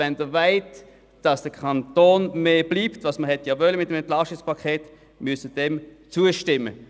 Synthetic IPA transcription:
ɛndəvaɪt | d̥ɑsd̥əkʰɑntoːnmeːb̥liːptvɑsməhɛtjɑvœləmɪt̚ːəmɛntlɑʃtɪkspʰɑkʰeːt | mysəd̥ɛmt͡suəʃtɪmə̰

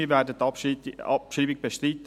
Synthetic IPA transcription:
iːʋɛːɾdətɑɑpʃiːbɪɡ̚b̥eʃtɾiːtə

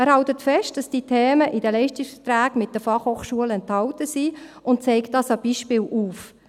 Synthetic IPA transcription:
æːɾhɑltətfɛʃt̚d̥ɑsd̥iːtʰɛːməʔidəlɛɪʃtɪksfə̥tɾæːɡmɪt̚d̥əfɑχhoːχʃuəlɛnthɑwtəsiːʊnt̚t͡sɛɪkt̚dɑːsɑb̥iːʃpɪːlʔuːf

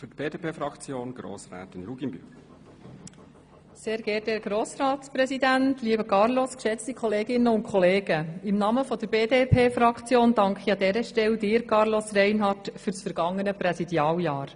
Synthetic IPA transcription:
fytb̥eːdepʰeːfɾɑkt͡sjoːnɡ̥ɾo̰ːsɾæ̰ːtɪnɾuɡimby̰ | seːɾɡ̥ɛːtɛːɡ̥ɾoːsɾɑːt̪spɾɛsid̪ænt̪liəbəkɑɾloskʃɛt͡st̪ikʰɔleːɡɪnːəʊntkʰɔleːɡəɪmnɑməfɔd̥əɾbeːdeːpʰeːfɾɑkt͡sjoːnd̥ɑŋkχiɑd̪ɛɾəʃtɛld̪ɪːɾkɑɾlɔsrɛɪnɦɑrtfyɾsfəɾɡ̥ɑŋːənəpɾɛsid̪jɑːljɑːɾ

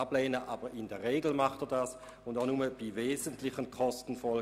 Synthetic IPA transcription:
blɛːnəʔaːb̥əʁɪndɛɐʁeːɡl̩maχtɛːɐdaːs | ʊndaʊnuməb̥iveːzəntlɪçənkʰɔstn̩fɔl

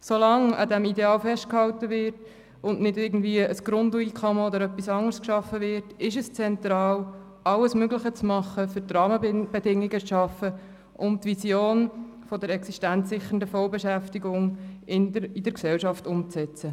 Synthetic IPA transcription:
solɑŋɑ̰d̪æmideɑːlfɛʃt̚khɑwtəʋɪɾt | ʊnʔnɪdɪɾɡn̩dviəəsɡ̥ɾʊnduikʰɔməod̪əɾœpːisɑŋərskʃɑfːəvɪɾtɪʃəst͡sɛntɾɑːl | ʔɑləsmøɡləχət͡smɑχːəfʏɾtrɑːməb̥ɛdɪŋːiɡət͡sʃɑfə | ʔʊmt̪ʋisjoːn | fɔdəɾɛksiʃtænsɪχəndəfɔlbɛʃæftiɡʊŋɪnidəɾksɛlʃɑftʊmt͡sɛt͡sə

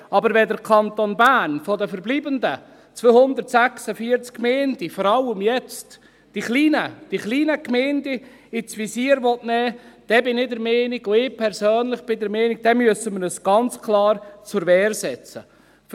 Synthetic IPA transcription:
ɑbəɾʋɛd̪əɾkʰɑnt̪onbæːnfɔd̪əfəɾbliːbəndə | t͡sʋøːhʊnd̪ətsæχsəfiːəɾt͡skːmɛːnd̥ifɔɾɑlːəmjɛt͡st | d̥iχliːnəd̥iχliːnəkmɛːndi | ɪt͡sʋisiːəɾʋɔtnɛːd̪̥ɛbɪnɪdɛɾmɛːniɡʊɪpʰɛɾsøːnlɪχb̥ɪd̪əɾmɛːniɡ̚d̥̪ɛmyəsəməɾəsɡ̥ɑnt͡skʰlˠɑːɾt͡sʊɾʋɛːɾsɛt͡sə̰ | f

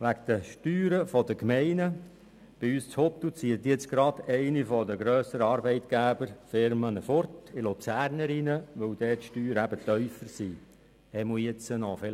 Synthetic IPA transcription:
ʋækd̥̪əʃtyːɾəfɔdəkmɛɪnə | b̥ɪyːst͡shɔp̚d̥̪ut͡siət̪jɛt͡sɡ̥ɾɑd̪ɛɪnifɔdəɡɾœːsəɾɑɾbɛɪt̪ɡ̥æːbəɾfɪɾmənəfɔrtɪlut͡sæːɾnəɾɪnəʋœwd̥̪ɛːtʃtyːɾæb̥ət̪œʏfəɾsi | hɛmujɛt͡sənɔfɛ

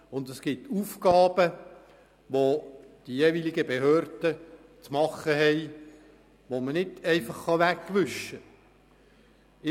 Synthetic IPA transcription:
ʊnd̪əsɡ̥ɪtuːfkɑːb̥ə | ʋod̥ijeːʋilɪɡəbehøːɾd̥ə | t͡smɑχːəɦɛɪ | ʋomənɪdɛɪfɑχːɑʋækːʋʏʃə | ɪ

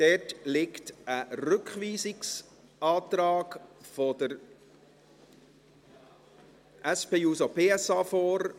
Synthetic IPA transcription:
d̥ɛtlɪktəɾʏkχʋiːsɪks | ʔɑːt̪ɾɑːkfɔdəɾ | ʔæspeːuːsopʰeːɛsɑːfɔːɾ

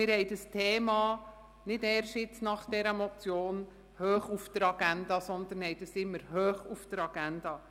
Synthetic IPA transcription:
ɪɾhɛjdəstʰeːmɑː | nɪdɛːɾʃɪt͡snɑχd̥ɛɾəmɔt͡sjoːn | høːχufd̥̪əɾɑɡ̥ænd̪ɑsɔnd̪ənhɛjd̥əsɪmːəɾɦøːχufd̥əɾɑɡ̥ænd̥̪ɑ

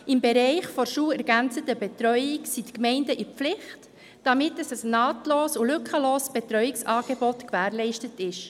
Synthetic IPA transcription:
ɪmbɛɾɛɪχfɔɾʃuːlɛɾɡænt͡sətəbɛtɾœʏɪksitkmɛɪndəʔɪflɪχt | d̥ɑmɪt̚dɑsəsnɑːtloːsulʏkχəloːsb̥etɾœʏɪksɑːɡ̥ebɔtkʋæːɾlɛɪʃtətɪʃ

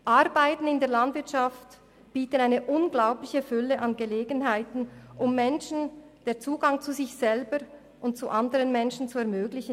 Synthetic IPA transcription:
ʔaɾbaɪtn̩ɪndeːɐlandvɪtʃaft | b̥iːtənaɪnəʔʊnɡlaʊplɪçəfʏləʔɑnɡəleːɡənɦaɪtn̩ʔʊmːɛnʃn̩ | d̥eːɐt͡suːɡaŋt͡suzɪçsɛlbə | ʔʊntt͡suʔandəʁənmɛnʃn̩t͡suɛɐmøːɡlɪçən

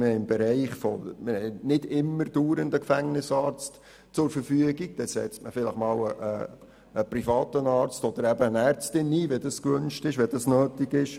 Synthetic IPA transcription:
mɪhɛɪɪmbɛɾɛɪχfɔ̰mɪhɛnɪdɪmːəɾd̥uːɾəndəkfæŋnɪsɑːɾt͡st | t͡sʊɾfəɾfyəɡiɡ̚d̥ɛsɛ̰t͡stməfɪləχmɑːwəʔə̰ | əprifɑːt̪ənɑːɾt͡stɔd̪əɾæbəənæːɾt͡stɪnːiːʋɛd̥ɑskʋʏnʃtɪʃʋɛd̥ɑsnøːtɪɡɪʃ

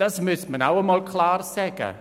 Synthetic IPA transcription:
asmɪsmənawəmɔlˠkʰlˠaːrsɛɡa̰

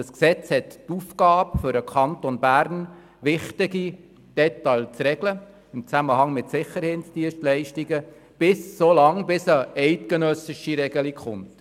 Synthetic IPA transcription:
əsksɛt͡shɛttufkɑːbfʏɾəkʰɑntonbæːɾn | ʋɪχtɪɡi | d̥ɛtɑlt͡sɾɛɡlə | ɪmt͡sæməhɑŋmɪtsɪχːəɾhetsd̥iənʃtlɛɪʃtiɡə | b̥ɪsːolɑŋbɪsəɛɪtkənœsɪʃiɾɛɡəlikχʊ̰nt

